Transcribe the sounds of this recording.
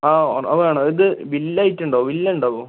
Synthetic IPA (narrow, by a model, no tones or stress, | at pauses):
aːɳʔɐʋɐaːɳoiðɨʋilːɐjitːuɳɖaːʋʋilːɐuɳɖaːʋoː